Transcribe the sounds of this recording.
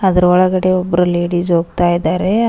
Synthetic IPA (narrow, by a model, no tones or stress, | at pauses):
ɐd̪ɐɾuɔɭɐɡɐɽe̞ɔbːɐɾule̞ːɽisɦoːɡ̚t̪aːjid̪aːɾe̞